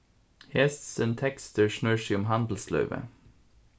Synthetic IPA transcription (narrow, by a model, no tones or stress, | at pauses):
hɛst̪sənt̪ʰɛkst̪əɹʃɳøːɹʃiʊmhɑnd̪l̩slœ̰ʉʋə̰